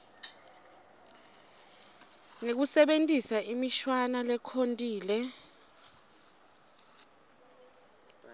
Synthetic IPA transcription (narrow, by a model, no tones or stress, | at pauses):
ŋek̬usɛɓentʼisaimiʃwanalɛkʰontʼiːlɛ